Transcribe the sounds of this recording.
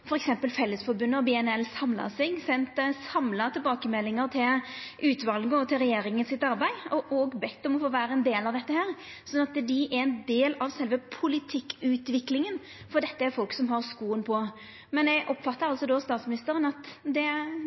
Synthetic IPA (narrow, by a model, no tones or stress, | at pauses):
fɔɾɛksɛmpəlfɛlːəsfɔɾbʉnːəɔbɛɛnɛlːsɑmlɑ̰sɛɡsɛnt̪sɑmlɑt̪ʰɪlbɑːkəmɛlːɪŋəɾt̪ʰɪlʔʉːt̪ʋɑlɡɔt̪ʰɪlɾɛjeːɾɪŋənsɪt̪ɑɾbæɪɔʔɔɡbɛt̪ːɔmɔfoːʋæːɾəɛnd̪eːlɑʋd̪ɛt̪ːəhæːɾ | sɔnːɑt̪d̪ɪʔæɾɛnd̪eːlɑʋsɛlʋəpʰʊlɪt̪ʰɪkːʉːt̪ʋɪklɪŋən | fɔɾd̪ɛt̪ːəæɾfɔlksɔmɦɑɾskuːənpʰɔ | mɛnɛɡʔɔpːfɑt̪ːəɾɑlsɔd̪ɔst̪ɑːt̪smɪnɪst̪əɾənɑt̪d̪ɛ